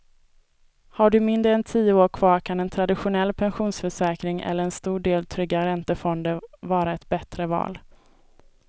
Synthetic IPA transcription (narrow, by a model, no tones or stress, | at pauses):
haɖɵmɪnd̪ɾɛnt̪ʰiːəoːɾkʰv̥ɑːɾkʰanɛnt̪ʰɾad̪ɪɧʊnɛlːpʰɛnɧuːnsfœʂɛːkɾɪŋʔɛ̰lːəɾɛnst̪uːɖeːlt̪ʰɾʏɡːaɾɛnt̪əfɔnd̪əvɑːɾaɛt̪bɛt̪ɾəvɑ̰ːl